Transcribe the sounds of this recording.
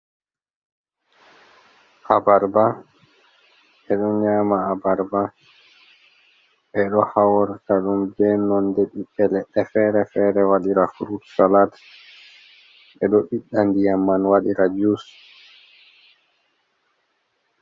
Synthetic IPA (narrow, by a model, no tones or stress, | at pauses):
ʔabaɾba | ɓɛɗɔɲaːmaːbaɾba | ɓɛɗɔhawɔɾtaɗumbɛnɔndɛɗiɗːɛlɛɗːɛfɛɾɛfɛɾɛwaɗiɾafuɾutsalat | ɓɛɗɔɓiɗːandijamːanwaɗiɾad͡ʒus